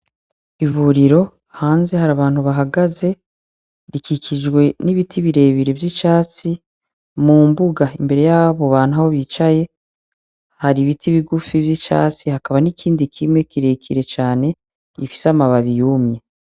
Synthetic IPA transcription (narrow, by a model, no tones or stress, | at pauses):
iβuɾiɾo̞ | haːnze̞haɾaβaːn̥huβaɦaɡaze̞ | ɾikikʰid͡ʒɡwe̞niβitʰiβiɾe̞ːβiɾe̞vjit͡ʃaːt͡si | muːmbuɡaimbe̞ɾe̞jaːβoβaːnhuaho̞βit͡ʃaje̞ | haɾiβitʰiβiɡufivjit͡ʃa̰ːt͡sihakaβanikʰiːndikʰimŋe̞kiɾekʰiɾe̞t͡ʃaːne̞ | ifi̥samaβaβijumje